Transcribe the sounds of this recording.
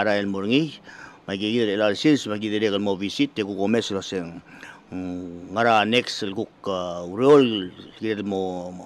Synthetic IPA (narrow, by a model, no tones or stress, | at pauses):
aɾaelmoɾŋijmaɡiɡidelelalsiɾsmaɡideɾeɡalmovisitːeɡukomeslaseŋ | ŋaɾaneksalɡukauɾeolɡidedmo